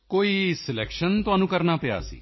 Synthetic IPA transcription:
koːiːsɪlɛːkʃənt̪ʊaːnũːkəɾnaːpɪa̰ːsḭː

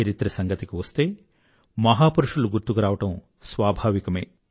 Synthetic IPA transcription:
ɐɾit̪ɾɐsɐŋɡɐt̪ikiʋɐst̪e̞ː | mɐɦaːpuɾuʂuluɡuɾt̪ukuɾaːʋɐʈɐm | sʋaːbʱaːʋikɐme̞̰ː

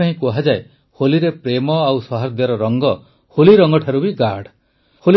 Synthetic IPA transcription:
aɦĩkuɦad͡ʒae | holiɾepɾemɔawsɔɦaɾd̪jɔɾɔɾɔŋɡɔ | holiɾɔŋɡɔʈʰaɾubiɡaɾɽ | hol

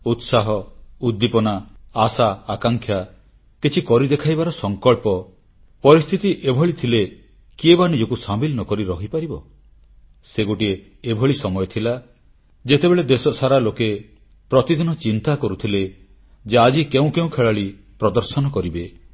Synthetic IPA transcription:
ut̪saɦɔud̪ːipɔnaːsaːkaŋkʰja | kit͡ʃʰikɔɾid̪ekʰajbaɾɔsɔŋkɔɭpɔ | pɔɾist̪ʰit̪iʔebʱɔɭit̪ʰile | kiebanid͡ʒɔkusamilɔnɔkɔɾiɾɔɦipaɾibɔ | seɡoʈie | ebʱɔɭisɔmɔjɔt̪ʰila | d͡ʒet̪ebeɭed̪esɔsaɾaloke | pɾɔt̪id̪ʱinɔt͡ʃint̪akɔɾut̪ʰile | d͡ʒead͡ʒikeũkeũkʰeɭaɭi | pɾɔd̪ɔɾsɔnɔkɔɾibe

